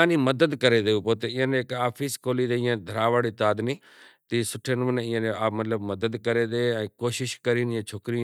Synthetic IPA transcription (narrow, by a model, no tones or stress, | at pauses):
aːnĩːməd̪əd̪kəɾeːd̪eːuːpoːt̪eɪ̃jãːnekaːpʰiːskoːliːd̪eɪãːd̪ʱəɾaːʋaːɽit̪aːd̪niː | t̪isʊʈʰeːnəʋəneɪjãːneaːmət̪ləbməd̪əd̪kəɾeːd̪eɛ̃ːkoːʃɪʃkəɾiːnːãːt͡ʃʰoːkɾiã